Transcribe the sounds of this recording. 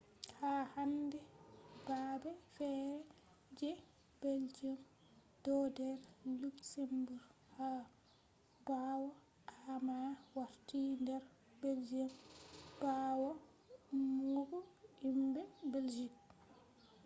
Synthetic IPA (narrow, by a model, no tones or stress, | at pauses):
hahandɛbaːbɛfɛɾɛ | d͡ʒɛ | beld͡ʒim | d̥ɔdɛɾluksembuɾ | ha | baːwɔ | ʔamawaɾtindɛɾ | beld͡ʒimbaːwɔ | muɡuimbɛbeld͡ʒik̚